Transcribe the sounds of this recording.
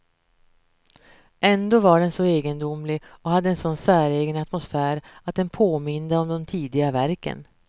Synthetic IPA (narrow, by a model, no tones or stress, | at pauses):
ʔɛnd̪oːvaɖɛnsɔeːɡənd̪ʊmlɪɔhad̪ːəɛnsɔnsæːɾeːɡənat̪mʊsfæːɾat̪̚d̪ɛnpʰoːmɪnd̪əɔmd̪ɔmt̪ʰiːd̪ɪɡavæɾkə̰n